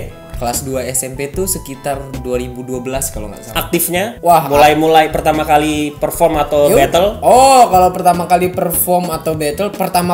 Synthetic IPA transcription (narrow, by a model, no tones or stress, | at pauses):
kəlasduaɛsɛmpet̪usəkit̪arduaɾibuduabəlaskaloŋɡa̰ʔsaak̚t̪ɪfɲawaɦmulajmulajpərt̪amakalipərfɔrmat̪awbɛt̪əlɔkalawpərt̪amakalipərfɔrmat̪awbɛt̪əlpərt̪ama